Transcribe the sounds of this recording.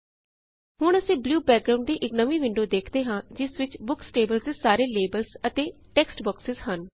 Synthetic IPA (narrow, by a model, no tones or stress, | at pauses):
hʊɳəsĩːbluːbɛːk̚ɡɾaːʊ̃ɳɖd̪iːʔɪknəʋĩːʋɪ̃ɳɖoːd̪eːkʰd̪eːɦãːd͡ʒɪsʋɪt͡ʃbʊksʈeːbəlzd̪eːsaːɾeːleːbəlsət̪eːʈɛːksʈbɔːksɪzɦən